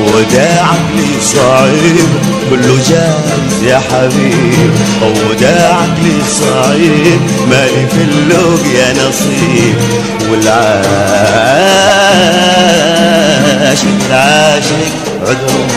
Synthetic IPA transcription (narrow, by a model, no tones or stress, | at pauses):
wd̪aʕaɡli | sˤɑʕiːb | ɡʊlːud͡ʒa | nzjaħabiːb | ʔaw | d̪aʕaɡlisˤɑʕib | malifilːuɡjanɑsˤiːb | wɪlʕa | ʕa | ʃɪkɪlʕaːʃɪk | ʕʊd̪ɾ